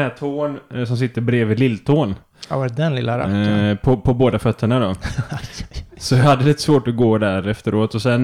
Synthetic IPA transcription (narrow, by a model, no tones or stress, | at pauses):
æːt̪ʰoːnsɔms̬ɪt̪ːəɾbɾeːvɪlɪlːt̪ʰoːn | d̪ɛnlɪ̰lːaɾa̰pʰɔpʰɔboːd̪afœt̪ʰːəɳad̪ɔ | sɔjɑhad̪ːəlɪt̪ːə̥svoːʈɔɡoːd̪æɾɛft̪əɾoːt̪ɔsɛn